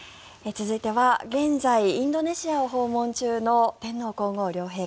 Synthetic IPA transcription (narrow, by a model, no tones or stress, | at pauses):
et͡sɨzɨit̪e̞βaɡẽ̞nzaiĩnd̪o̞ne̞ɕiaoɦo̞ːmõ̞ɲt͡ɕɨːno̞t̪ẽ̞nːo̞ːko̞ːŋo̞ːɾʲo̞ːɦe̞ː